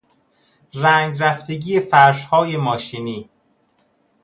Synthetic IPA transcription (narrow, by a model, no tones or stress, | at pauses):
ræŋɡɾæft̪e̞ɟiːjefæɾʃhɒːje̞mɒːʃiːniː